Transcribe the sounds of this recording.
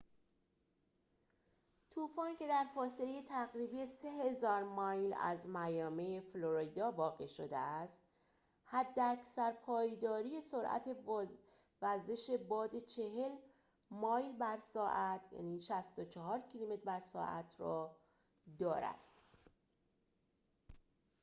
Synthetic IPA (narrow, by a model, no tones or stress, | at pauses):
t̪ʰuːfɒːncʲe̞d̪æɾfɒːse̞leje̞t̪ʰæɣɾiːbije̞se̞he̞zɒːɾmɒjlæ̰zmæjɒːmejefloɾid̪ɒːbɒːɣiʃo̰d̪ḛæst̪ | hæd̪ːeæcʰsæɾpʰɒːjd̪ɒːɾiːje̞so̞ɾʔæ̰t̪ʰe̞ | væɾze̞ʃe̞bɒːd̪e̞t͡ʃʰe̞ɦe̞l | mɒːjlbæɾsɒːʔæt̪ʰjæ̰niːʃæst̪o̞t͡ʃʰɒɦɒːɾcʰilomet̪̚bæɾsɒ̰ːʔæ̰t̪ʰɾɒː | d̪ɒːɾæ̰d̪̥